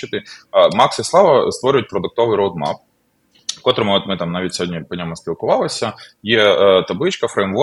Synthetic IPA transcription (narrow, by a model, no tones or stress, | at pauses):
ɪt̪ɪmɑksɪsˠɑʋɐst̪ʋɔɾʲʊjʊt̚ʲpɾɔd̪ʊk̚t̪ɔʋɪjɾowd̪ma̰p̚ | kɔt̪ɾɪmɔt̪mɪt̪ɑmnɑʋʲit̚ʲsʲɔdʲnʲipɔdʲamɐsʲpʲilˠkʊʋɑlˠɐsʲɐjɛt̪ɐblˠɪt͡ʃkɐfɾejmʋɔ